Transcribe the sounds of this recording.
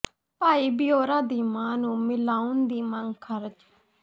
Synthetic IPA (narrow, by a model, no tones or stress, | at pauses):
paːiːbɪjoːɾãːd̪iːmãːnũːmɪlaːʊnd̪iːməŋɡkʰəɾd͡ʒ